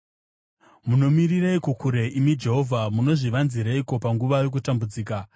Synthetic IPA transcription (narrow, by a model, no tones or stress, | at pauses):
muno̞miriraikokʰuɾeimid͡ʒe̞ɦo̞vʱamuno̞ʐiʋanziɾaiko̞paŋɡuʋajo̞k̬utambud͡ziːka